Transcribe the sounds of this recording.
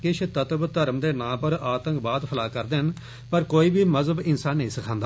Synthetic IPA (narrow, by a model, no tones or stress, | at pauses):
kɪt͡ʃʰt̪ət̪bt̪əɾmd̪eːnãːpəɾaːt̪ə̃ŋkbaːt̪pʰəlaːkəɾd̪en | pəɾkoːiːbiːməzəbɪnsaːnːəɦĩːsɪkʰãːnd̪a